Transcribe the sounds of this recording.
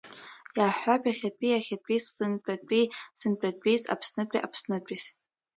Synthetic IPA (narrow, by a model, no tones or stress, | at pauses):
jaːħʷᶣapʰʲʼaχʲatʷʼiaχʲat͡pʷʼizːɨnpʷʼatʷʼisɨnpʷʼatʷʼiza̰pʰsnɨt͡pʷʼḭʔa̰pʰsnɨt͡pʷʼis